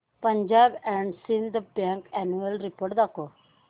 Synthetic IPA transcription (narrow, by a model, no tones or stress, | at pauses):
pə̃ɲd͡ʒaːbɛ̃ɳɖsĩnd̪əbɛ̃ŋkɛnuəlɾipoɾʈd̪ako